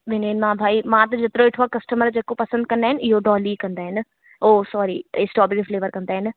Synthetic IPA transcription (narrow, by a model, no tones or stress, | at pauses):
ʋɪneːnmãːbʱaːimãːt̪̬ɐd͡ʑet̪ɪɾoɪʈʰʋakɐsʈəməɾd͡ʑeːkopɐsə̃nd̪̚kɐ̃nd̪aːɦɪnɪɪɦoɖɔːlikɐ̃nd̪aːɦɪnɪ̆ | oːsɔːɾiɪsʈɔːbɪkfleːʋəɾkɐ̃nd̪aːɦɪnɪ̆